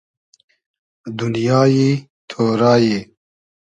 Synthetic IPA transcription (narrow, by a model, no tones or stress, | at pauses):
d̪ʊnjɑːji | t̪ʰoːɾɑːje